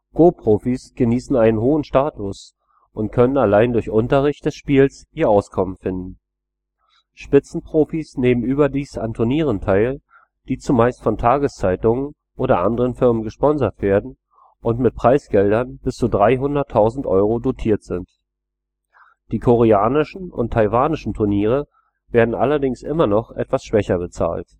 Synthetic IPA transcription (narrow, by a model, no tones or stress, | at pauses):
ɡ̥oːpʁ̥oːfisɡ̥əniːsn̩aɪnənɦoːənʃtaːtʊs | ʔʊntkʰœnənalaɪndʊɐçʔʊntɐʁ̞ɪçt̚d̥ɛsʃpiːlsʔiːɐʔaʊskʰɔmənfɪndn̩ | ʃpɪt͡sn̩pʁ̥oːfisneːmənyːbɐdiːsa̰ntʰʊɐniːʁ̞əntʰaɪl | d̥iːt͡sumaɪstfɔntʰaːɡəst͡saɪtʊŋən | ʔoːɾɐʔandəʁənfɪɐmənɡəʃpɔnzɐtv̥eːɐdn̩ | ʔʊntmɪt̚pʁ̥aɪsɡ̥ɛldɐnbɪst͡sudʁaɪɦʊndɐtʰːaʊzn̩tʔɔ̰ʏʁodotʰiːɐtz̥ɪnt | d̥iːkʰoʁ̞eaːnɪʃn̩ʊ̰ntʰːaɪvaːnɪʃn̩tʰʊɐniːʁ̞ə | veːɐdn̩ʔa̰lɐdɪŋsʔɪmɐnɔχʔɛ̰tv̥asʃv̥ɛçɐbət͡sa̰ːlt